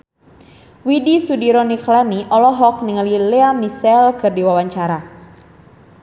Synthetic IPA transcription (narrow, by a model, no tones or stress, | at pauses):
widisudiɾɔniklaniʔɔlɔɦɔk̚niŋalileamisɛlkɨrdiwawaɲt͡ʃaɾa